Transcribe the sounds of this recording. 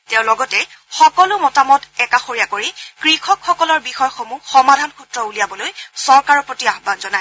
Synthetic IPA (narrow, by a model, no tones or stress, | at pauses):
teʊ̃lɔɡɔtɛ | xɔkɔlʊmɔtamɔtɛkaxoɹijakoɹikɹixɔkxɔkɔlɔɹbixɔjxomuxɔmadʱanxutɹɔulijabɔlojsɔɹkaɹɔpɹotiaxbanzɔnaj